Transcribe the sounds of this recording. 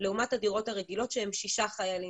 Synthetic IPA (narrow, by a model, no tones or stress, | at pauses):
leumathadiʁo̞thaʁeɡilo̞tʃehemʃiʃaχajali